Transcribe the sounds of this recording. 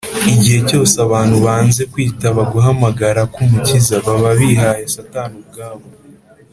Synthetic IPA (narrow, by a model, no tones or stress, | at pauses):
iɟihe̞co̞ːseaβaːn̥huβaːnze̞kwiːtaβaɡuɦamaɡaɾakumucizaβaβaβiɦajasataːnub̚ɡaːβo